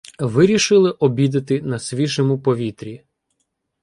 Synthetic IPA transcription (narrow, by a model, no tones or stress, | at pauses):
ʋɪɾʲiʃɪlˠɪʔɔbʲid̪ɐt̪ɪnɐsʲʋʲiʒɛmʊpɔʋʲit̪ɾʲi